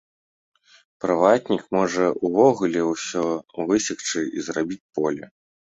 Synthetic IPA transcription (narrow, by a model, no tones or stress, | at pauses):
pɾɨvat̪ʲnʲikmɔʐɐuvɔɣulʲɛwsʲɔvɨsʲixt͡ʂɨizrabʲit͡sʲpɔlʲɛ